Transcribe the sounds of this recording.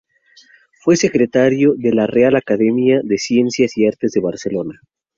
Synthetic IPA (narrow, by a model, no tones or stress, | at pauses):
fwe̞se̞kɾe̞t̪aɾjoðe̞larealakaðe̞mjaðe̞sje̞nsjasiaɾt̪e̞zðeβaɾselo̞na